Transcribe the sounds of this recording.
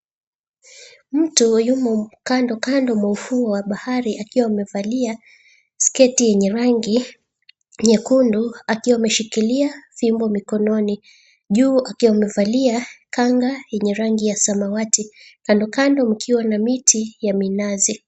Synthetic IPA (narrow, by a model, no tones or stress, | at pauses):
m̩tujumɔm̩kandɔkandɔmɔufuɔwaɓahaɾiʔakiwamɛvalia | skɛtijɛɲɛɾaŋɡi | ɲɛkunduakiwamɛʃikiliafimbɔmikɔnɔni | ʄuːakiwamɛvaliakaŋɡajɛɲɛɾaŋɡijasamawatikandɔkandɔm̩kʰiwanamitijaminazi